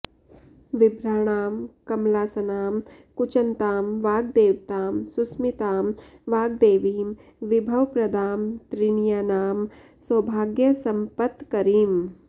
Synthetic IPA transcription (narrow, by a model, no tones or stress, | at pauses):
ʋɪbɾaːɽ̃aːmkɐmlaːsɐnaːm | kut͡ʃɐnt̪aːmʋaːɡ̚d̪eːʋt̪aːmsusmit̪aːm | ʋaːɡ̚d̪eːʋiːm | ʋibʱɐʋpɾɐd̪ʱaːmt̪ɾiɳijanaːm | sɐːbʱaːɡjɐsɐ̃mpət̪kɐɾiːm